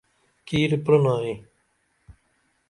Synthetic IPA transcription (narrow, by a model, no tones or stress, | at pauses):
kiːɾpɾonaːi